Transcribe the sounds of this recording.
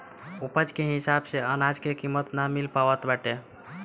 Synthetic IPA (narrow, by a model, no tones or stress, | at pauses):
upəd͡ʒkeɦisabseənad͡ʒkekimːət̪namilpaʋət̪baʈe